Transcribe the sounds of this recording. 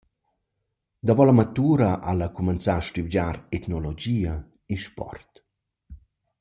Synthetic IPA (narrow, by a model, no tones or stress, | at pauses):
d̪avɔlamat̪uːɾaʔalakumɛnt͡saʃtiwɟaɾɛt̪nɔlod͡ʒiːa | iʃpɔ̰rt̪